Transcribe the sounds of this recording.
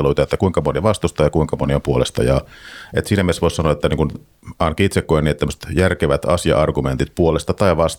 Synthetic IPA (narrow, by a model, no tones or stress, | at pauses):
eluit̪ɑet̪ːækuiŋkɑmoniɑʋɑst̪ust̪ɑːjɑkuiŋkɑmoniompuolest̪ɑ̰jɑ̰et̪siːnæmiesʋoissɑnoɑet̪ːæniːŋkun | ɑːnkiit̪sekːojniet̪ːæmːøst̪jærkeʋæt̪ɑ̰sijɑ̰ʔɑrɡument̪it̪̚puolest̪ɑt̪ɑiʋɑs